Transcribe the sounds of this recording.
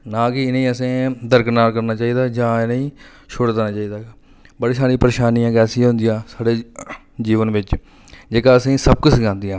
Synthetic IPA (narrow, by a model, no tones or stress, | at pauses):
nãːkɪɪneĩːəsẽːd̪əɾknaːɾkəɾnaːt͡ʃaːiːd̪aːd͡ʒãːɪneĩː | ʃʰʊɽd̪enaːt͡ʃaːiːd̪aː | bəɽeːsaːɽĩːpəɾeːʃaːnijãːɡɛːsiɦʊ̃nd̪ijãːsaːɽeː | d͡ʒiːʋənʋɪt͡ʃ | d͡ʒeːkaːəsẽːsəb̚kʊt͡ʃɡãːnd̪ɪjãː